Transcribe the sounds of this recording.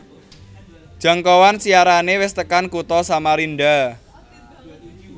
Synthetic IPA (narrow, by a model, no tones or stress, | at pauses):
ʒ̥a̤ŋkɔwansiaɾanewɪst̪əkankut̪ɔsamaɾinɖa